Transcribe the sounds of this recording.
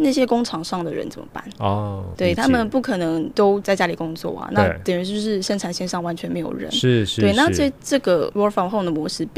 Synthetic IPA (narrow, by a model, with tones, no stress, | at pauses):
na˥˩ɕjɛ˥kʊ˥ŋʈ͡ʂʰɑ˨˩ŋʂɑ˥˩ŋd̪ə˨ɻə̰˧˦nt͡sə˨˩mə̰˦pa̰˥˩nt̪we˥˩ɪt̪ʰa˥mə˨npu˥˩kʰɤ˨˩nɤ˧˥ŋt̪o˥ʊt͡sa˥ɪt͡ɕja˥li˨˩kʊ˥ŋt͡swɔ̰˥˩ɐ̰˨˩na˥˩pɻə˧˥nʂo˥˧ʂɻ̩˥˩ʂə˥nʈ͡ʂʰa˨˩nɕjɛ˥˧nʂɑ˥˩ŋwa˦˥nt͡ɕʰɥɛ˧˥nme˧˥ɪjo̰˨˩ʊɻə̰˧˦n̩˥we˥˩ɪna˥˧ə˥˧ʈ͡ʂɤ˥˩ɡə˩wɔ˥fɑ˥˩xo˥˩ʊd̪ə˩mwɔ˧˥˦ʂɻ̩˥p